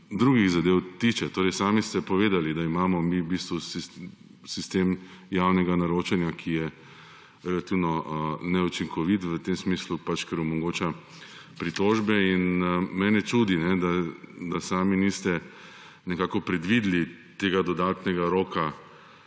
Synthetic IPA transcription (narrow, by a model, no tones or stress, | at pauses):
d̪ɾuːɡiɣzad̪ewt̪it͡ʃɛt̪oːɾɛjsaːmist̪ɛpɔʋeːd̪alid̪aimaːmɔmibist̪ʋusi | sist̪emjawnɛɡanaɾoːt͡ʃɛnjakʰijɛ | ɾɛlat̪iwnɔʔnɛut͡ʃiŋkʰɔʋit̪ʋət̪emsmiːslupat͡ʃkɛɾɔmɔɡoːt͡ʃa | pɾit̪oːʒbɛinmɛːnɛt͡ʃuːd̪inɛd̪ad̪asaːminist̪ɛ | nɛkaːkɔpɾɛd̪ʋid̪li | t̪eːɡad̪ɔd̪aːt̪nɛɡaɾoːka